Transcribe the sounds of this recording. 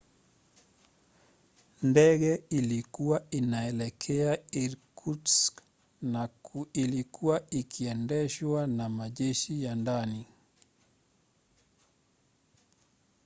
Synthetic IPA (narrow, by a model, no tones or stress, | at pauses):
ndɛɣɛilikuwainaɛlɛkʰɛaiɾkuts | nailikʰuwaikʰiɛndɛʃwanamaʄɛʃijandani